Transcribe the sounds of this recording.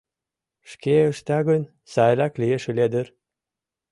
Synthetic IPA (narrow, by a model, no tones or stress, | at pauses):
ʃkeə̆ʃt̪ɑɣən | sɑjlɑklijeʃeled̪ə̆r